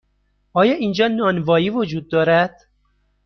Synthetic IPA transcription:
ʔɒːjɒːʔiːnd͡ʒɒːnɒːnvɒːjiːvod͡ʒuːd̪̚ːɒːɾæd̪̥

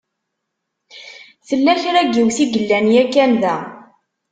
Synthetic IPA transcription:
θəlːæçɾæɡuwθiɡəlːænjækːæmðæ

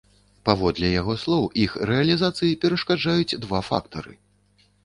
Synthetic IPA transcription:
pavɔd̪lʲɛjaɣɔslˠɔwixrɛɐlʲizat̪sɨjipʲɛɾɐʂkad͡ʐajut͡sʲd̪vafa̰k̚t̪ɐɾɨ̰

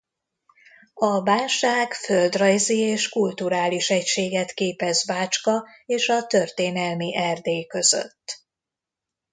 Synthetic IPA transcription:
ɒvaːlʃaːɡfø̞ld̪rɒjzieːʃkult̪uɾaːliʃɛcʃeːɡɛt̪keːpɛzvaːt͡ʃkɒ | eːʃɒt̪ørt̪eːnɛlmiʔɛrd̪eːkø̞zø̰t̪ː

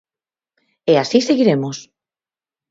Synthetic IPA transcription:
easiseɣiɾemos

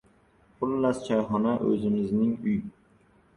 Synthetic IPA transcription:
χʰʊlːast͡ʃʰajχɒnaʔɵ̰zɪmɪznɪŋʊj

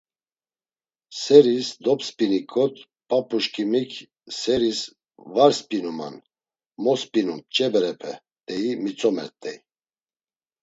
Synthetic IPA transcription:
sɛɾisd̪ɔpspʼinikʰʼɔt̪ʰʼ | pʼapʼuʃkʰʼimikʰ | sɛɾis | vaɾspʼinuma̰n | mɔspʼinunt͡ʃʼɛbɛɾɛpʰɛ | t̪ʼɛimit͡sʼɔmɛ̰ɾt̪ʼɛi

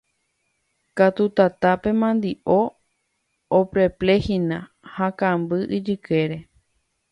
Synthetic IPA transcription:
kat̪ut̪at̪ape̞mãnd̪iʔo | opɾe̞ple̞hinã | hakãmbɨʔid͡ʒɨke̞ɾe̞

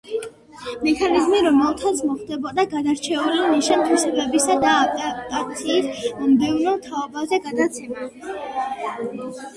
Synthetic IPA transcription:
mɛkʰanizmiɾɔmɛlˠt̪ʰat̪sʰmɔχd̪ɛbɔd̪aɡad̪aɾt͡ʃʰɛuliniʃant̪ʰusɛbɛbisad̪aːkʼat̪sʰiːsmɔmd̪ɛvnɔt̪ʰaɔbazɛɡad̪at̪sʰɛma

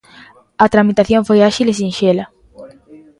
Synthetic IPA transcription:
ɐt̪ɾamit̪aθjõɱfojaʃiles̬ĩnʃelɐ

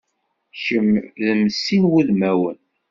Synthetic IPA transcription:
çəmðəmsinwuðmæwə̰n

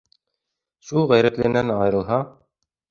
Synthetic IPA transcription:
ʃulˠʁæjɾæt̪lɘ̆ɡɘ̆nænɑjɤ̆ɾɤ̆lˠɦɑ

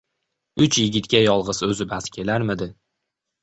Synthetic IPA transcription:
ʊt͡ʃjɪɡʲɪt̪kʲajɒlˠʁɨzɵzɪbaskʲʰe̞laɾmɪd̪ɪ

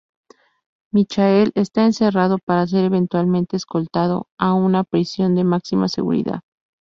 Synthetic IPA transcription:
mit͡ʃae̞le̞st̪aense̞rað̞o̞paɾas̬e̞ɾe̞β̞e̞nt̪walmẽnt̪e̞ːsko̞lt̪að̞o̞̰aunapɾisjo̞nd̪e̞maksima̰se̞̰ɣṵɾḭða̰ð

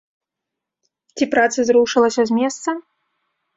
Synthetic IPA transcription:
t͡sʲipɾat̪sɨzɾuʂɨlˠɐsʲɐzʲmʲɛst̪sɐ

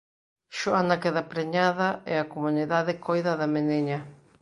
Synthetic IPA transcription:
ʃoanakeðapɾeɲaðɐɛakomuniðaðekojðɐðɐmeneɲɐ

